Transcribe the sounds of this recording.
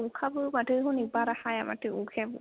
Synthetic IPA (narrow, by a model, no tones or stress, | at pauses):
ukʰabɯmaʈɯɦũnibaɾahajama̰ʈɯukʰebɯ̰